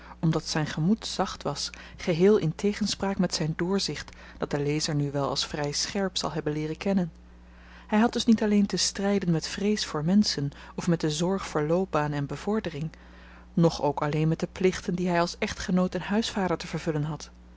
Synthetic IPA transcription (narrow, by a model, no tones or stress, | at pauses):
ɔmdɑtsɛjnχəmutsɑχtʋɑs | χəɦɪːlˠɪntejχənspraːkmɛtsɛjndʊːɹzɪχt | d̥ɑt̚dəlejzəɹnyʋɛlˠɑ̰lˠsfrɛjsχɛɹpsɑ̰lˠɦɛbənlɪːrəkɛnən | hɛjɦɑd̚d̥ɵsnitɑlejntəstrɛjdənmɛtfrejsfʊːɹmɛnsən | ɔfmɛt̚dəzɔɹχfʊːɹlowp̚baːnɛnbəv̥ɔɹdərɪŋ | nɔχowkɑlejnmɛt̚dəplɪχtəndiɦɛjɑlˠsɛχtχənowtɛnɦœɥsfaːdəɹtəvəɹvɵlənɦɑt